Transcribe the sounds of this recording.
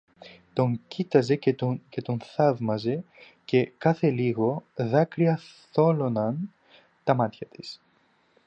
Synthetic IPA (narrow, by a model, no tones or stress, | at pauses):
t̪o̞ŋcit̪ɐze̞cce̞t̪o̞nθɐðmɐze̞ | ce̞kɐθe̞liɣo̞ðɐkɾiɐθo̞lo̞nɐn | t̪ɐmɐt̪çɐt̪is